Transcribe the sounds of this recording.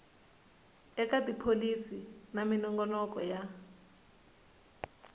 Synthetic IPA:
ɛk̬ʼadipʰolisinaminɔŋɡɔlɔk̬ɔja

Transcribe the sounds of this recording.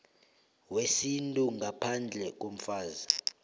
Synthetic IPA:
wesintʼuŋʱapʰand͡ɮʱɛk̬ʼom̩faːza

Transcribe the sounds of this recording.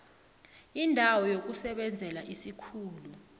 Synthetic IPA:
indʱawɔjok̬usɛɓɛnd͡zʱɛlaʔisikʰuːlu

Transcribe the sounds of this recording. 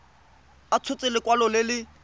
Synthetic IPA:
at͡sʰʊt͡sʼɪlɪkʼwalɔlɪlɪ

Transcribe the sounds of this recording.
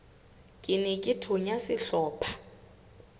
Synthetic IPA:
kʼɪnɛkʼɪtʰʊɲasɪɬɔːpʰḁ

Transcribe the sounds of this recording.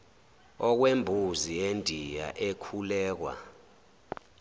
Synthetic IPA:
ɔk̬wembʱuziendʱija̰ʔekʰulɛːk̬wa̰

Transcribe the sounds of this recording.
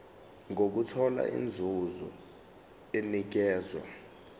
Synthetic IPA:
ŋok̬utʰɔla̰ḭnd͡zʱuzɔ̰ | enik̬ɛːzwa̰

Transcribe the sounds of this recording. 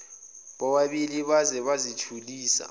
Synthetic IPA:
ɓɔɓaɓiliɓazɛɓazit͡ʃʰuliːsa̰

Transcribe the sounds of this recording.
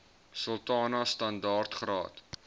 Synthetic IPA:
səlˠtɑːnɐstɐndɑːrtχrɑ̰ːt

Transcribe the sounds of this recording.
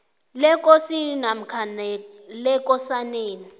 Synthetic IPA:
lɛkʼosininam̩kʰanɛ | lɛk̬ʼɔsaneːni

